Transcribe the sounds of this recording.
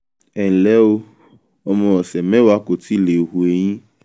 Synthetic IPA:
ɛ˨lɛ˦wo˦ | ɔ˨mɔ̃˨wɔ˨sɛ˨mɛ̃˦wo˦a˦ko˨t̪i˦le˨ɦu˨e˨ɲĩ˦

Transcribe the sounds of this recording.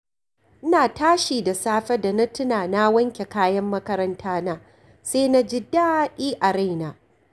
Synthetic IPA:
ʔɪ˦naː˨taː˦ʃiː˨da˨saː˦ɸɛ˦da˨na˦tʊ˦naː˨na˦wɐ˦ŋkʲe˨kaː˦jɐ˦mːɐ˦kɐ˦ɾɐ˦ntʰaː˦naː˦ | seː˦na˦d͡ʒɪ˦da˦ʔʲiː˦ʔa˨ɾa˦jnaː˨

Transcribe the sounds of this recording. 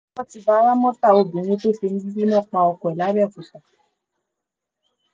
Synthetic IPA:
ɔ˦ti˧˦ba˧˦ɾa˦mɔ̃˦ta˦˨o˧bũ˨ñũ˧˦to˦˨fe˧ñ̩˦bi˦bi˦nɔ̃˦˨k͡pa˧ɔ˧kɔ˨ɛ˨la˨˦ɾi˦ɛ˦˨ku˨sa˨

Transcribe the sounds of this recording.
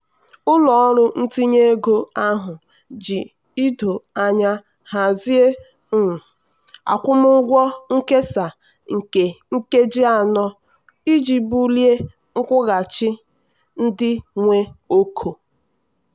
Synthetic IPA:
ʊ˦lɔ˨ɔ˦ɾʊ˦n̩˦ti˦ɲe˦ɡo˦a˦ɦʊ˨ | d͡ʒi˨ | i˦do˨a˨ɲa˦ | ha˨zi˦e˦˨ | a̰˨kʷʊ˦mʊ˦ɡʷɔ˦ŋ̩˦ke˦sa˨ | ŋ̩˨ke˨ŋ̩˦ke˦d͡ʒi˦a˨nɔ˦ | i˦d͡ʒi˨bu˦li˦e˦ | ŋ̩˦kʷʊ˦ɣa˨t͡ʃɪ˦ | n̩˦dɪ˦ŋʷe˦o˦kʰo˨

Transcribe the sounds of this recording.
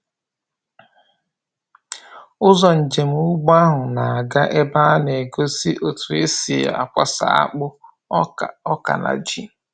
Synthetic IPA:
ʊ˦zɔ˨n̩˨d͡ʒe˨m̩˦ʊ˦ɡ͡ba˦ɦʊ˨na˨a˨ɡa˦ʔe˦ba˦a˦ne˨ɡo˦si˦ʔo˨tu˨e˦si˨a̰˨a˨kʷa̰˦sa̰˨a̰˦k͡pʊ˦˨ | ɔ˦ka̰˨na̰˨d͡ʒi˦˨

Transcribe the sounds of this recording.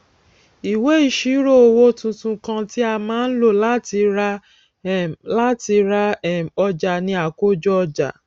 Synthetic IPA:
i˨we˦i˦˨ʃi˨˦ɾo˦˨o˧wo˦tũ˧tũ˧kã˧ti˦a˧mãː˦n̩˦lo˦˨la˦ti˧ɾa˧˨ | la˦ti˧ɾa˧ɛ˦˨ɔ˧d͡ʒa˨nĩ˧a˨ko˦d͡ʒɔ˦ɔ˧d͡ʒa̰˨

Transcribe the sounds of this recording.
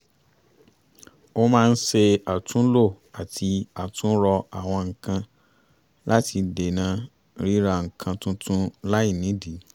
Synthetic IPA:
o˦mãː˦˧n̩˦ʃe˧a˨tũ˨˦lo˦˨ | a˨tʰi˧a˨tũ˨˦ɾɔ˧a˨w̃ɔ̃˧ŋ̩˨kã˧ | la˦ti˧de˨nã˧ | ɾi˦ɾa˧ŋ̩˨kʰã˧tũ˦tʰũ˦la˦i˦˨nĩ˨˦di˨˦

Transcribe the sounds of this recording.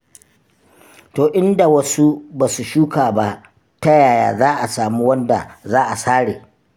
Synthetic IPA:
toː˨ʔɪ˦nda˨wɐ˦su˦baː˨su˨ʃuː˦kaː˨ba˦ʔ | ta˦jaː˨ja̰ː˨zaː˦ʔa˨saː˨mu˦wɐ˦nda̰˨zaː˦ʔa˨saː˦ɽḛː˨

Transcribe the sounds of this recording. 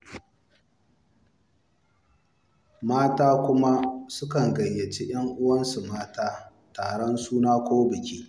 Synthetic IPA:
maː˦taː˦kʷʊ˦ma˦sʊ˦kɐ˨ŋɡɐ˨jːɐ˨t͡ʃi˦j̰ɐ˦ŋʔʊ˦wɐ˦nsu˨maː˦taː˦ | taː˨ɽɔ˦nsuː˦naː˦kʷoː˦bɪ˨kʲiː˦

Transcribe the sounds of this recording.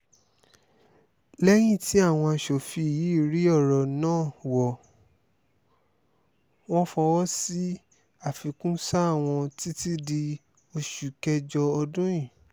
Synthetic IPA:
lɛ˦j̃ĩ˦˨ti˨˦a˦˨w̃ɔ̃˧a˧ʃo˨fi˧˨ji˨˦i˦˨ɾi˨˦ɔ˦˨ɾɔ˨nãː˦˨wɔ˨ | w̃ɔ̃˦fɔ̃˧wɔ˦si˦ | a˦˨fi˨kũ˦sa˦a˦˨w̃ɔ̃˧ti˦ti˦di˧ | o˧ʃu˨kɛ˧d͡ʒɔ˧ɔ˧dũ˦jĩ˦˨

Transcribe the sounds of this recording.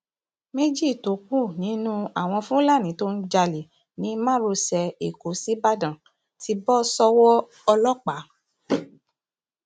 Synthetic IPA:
me˦d͡ʒi˦˨to˨˦k͡pu˦˨nĩ˨˦nũ˦a˦˨w̃ɔ̃˧fũ˦la˦˨nĩ˨˦to˦n̩˦d͡ʒa˧li˨ | nĩ˨˦mã˦˨ɾo˧sɛ˧e˨ko˨˦si˦ba˦dã˨ | ti˧˦bɔ˦sɔ˧wɔ˦ | ɔ˧lɔ˦k͡pa˨˦

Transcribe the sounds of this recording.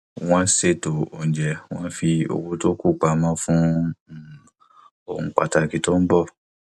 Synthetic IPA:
w̃ɔ̃˦se˦˨to˨o˨n̩˨d͡ʒɛ˨w̃ɔ̃˦fi˧o̰˨wo˧˦to˦ku˦˨k͡pa˨mã˦fũ˦˨ | o̰˨hũ˧k͡pa̰˨ta˧˨ki˨to˦m̩˦bɔ˦˨

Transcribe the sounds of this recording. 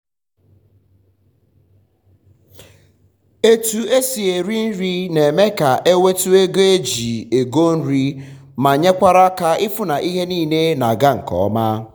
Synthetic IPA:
e˦tu˨e˦si˨e˨ɾi˦n̩˦ɾi˦ne˨me˦ka˨ʔe˦we˦tu˦e˦ɡo˦e˦d͡ʒi˨e˨ɡo˦n̩˦ɾi˦ | ma˨ɲe˦kʷa˦ɾa˦ka˦ɪ˦fʊ˦na˨ʔi˦ɦe˦niː˦˨ne˦na˨ɡa˦ŋ̩˨kɔ̰˨ɔ˦ma˦

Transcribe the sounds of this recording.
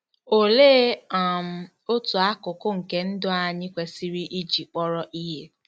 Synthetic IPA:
o˨leː˦a˨m̩˨ | o˦tu˨a˦kʊ˨kʊ˦ŋ̩˨ke˨n̩˦dʊ˦a˨ɲɪ˦kʷe˨si˦ɾi˦ʔi˦d͡ʒi˨k͡pɔ˦ɾɔ˦ʔi˦ɦe˦

